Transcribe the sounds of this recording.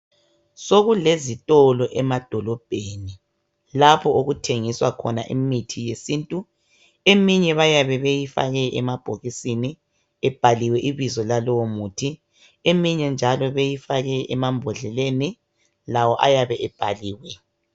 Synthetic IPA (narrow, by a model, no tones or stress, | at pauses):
soɣulezitʼɔlɔʔɛmad̥ʱɔlɔb̥ʱeːni | lapʰɔoɣutʰeŋiswa̰kʰɔ̰naʔimitʰijesiːntʼu | emiɲɛβajaβɛβejifa̰ɣɛʔɛmab̥ʱoɣisini | ɛb̥ʱaliwɛʔiβizɔlalɔwomuːtʰi | emiɲɛnd͡ʒʱalɔβejifaɣɛʔɛmambʱɔɮɛleni | lawɔʔa̰jaβɛʔɛb̥ʱaliːwɛ